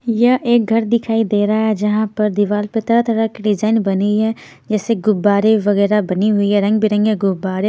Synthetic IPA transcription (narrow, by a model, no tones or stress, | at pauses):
jɐɦʔeːk̚ɡʱɐɾd̪ɪkʰaːid̪eːɾaaɦɛd͡ʒɐɦãpɐɾd̪ɪʋaːlpet̪ɐɾat̪əɾakiɖɪd͡ʒaːɪnbɐniɦɛ | d͡ʒɛːseɡʊbaːɾeʋɐɣɛːɾabɐniɦʊiɦɛɾɐ̃ŋɡbʱiɾɐ̃ŋɡɦɛɡʊbaːɾe